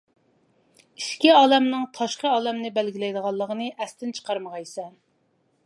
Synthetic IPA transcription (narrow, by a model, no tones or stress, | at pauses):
iʃkʲiɑːlɛmnɨŋt̪ʰɑʃqəɑːlɛmnɪbælɡʲilɛjd̪əʁɑlˠːəʁənɨʔɛst̪ʰɪnt͡ʃʰə̥qʰɑɾməʁɑjisɛ